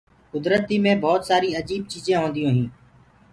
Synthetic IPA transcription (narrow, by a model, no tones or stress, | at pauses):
kʊd̪ɾət̪iːmẽːbʱɔːt̪saːɾiːəd͡ʒiːb̚t͡ʃiːzẽːɦoːnd̪ijõːɦĩː